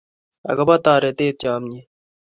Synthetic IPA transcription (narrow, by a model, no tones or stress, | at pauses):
ɐ̰ɡɐbat̪aːɾet̪eːt̪̚t͡ɕaːmɲi